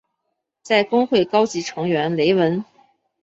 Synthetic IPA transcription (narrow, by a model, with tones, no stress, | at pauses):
t͡sa˥˩ɪkʊ˥ŋxwe˥˩ɪkɑ˥ʊt͡ɕi˧˥ʈ͡ʂʰɤ˧˥ŋɥɛ˧˥nle˧˥ɪwə˧˥n